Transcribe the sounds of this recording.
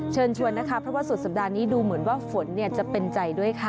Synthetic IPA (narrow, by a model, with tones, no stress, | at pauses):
t͡ɕʰɤː˧nt͡ɕʰu˧ənːa˦˥kʰa˦˥pʰɾɔ˦˥waː˥˩su˨˩t̪̚sa˨˩daː˧niː˦˥duː˧mɯ˩˦ənwaː˥˩fo˩˦nːi˥˩ɐt͡ɕa˨˩pe˧nt͡ɕa˧jdu˥˩əjkʰa˥˩